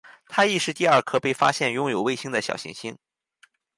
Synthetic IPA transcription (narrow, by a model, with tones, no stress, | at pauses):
t̪ʰa˥i˥˧ʂɻ̩˥˧t̪i˥˧ɐ˞˥˧˩kʰɤ˥˩pe˥˩ɪfa̰˥ɕjɛ˥˩njʊ˥ŋjo˨˩ʊwe˥˩ɪɕi˥ŋd̪ə˨ɕjɑ̰˨˩ʊɕḭ˧˥ŋɕi˥ŋ